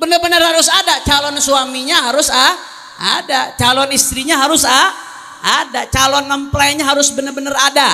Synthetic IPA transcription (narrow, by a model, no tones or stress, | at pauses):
bənərbənərhaɾʊsadat͡ʃalɔnsuamiɲaɦaɾʊsa | a̰dat͡ʃalɔnist̪ɾiɲaɦaɾʊsa | adaʔt͡ʃalɔnməmpəlajaɲaɦaɾʊsbənərbənərada